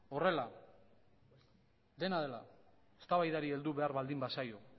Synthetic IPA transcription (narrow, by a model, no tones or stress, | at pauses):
o̞re̞la | d̪e̞naðe̞la̰ | est̪aβajðaɾie̞ld̪uβe̞aɾβald̪imbasajo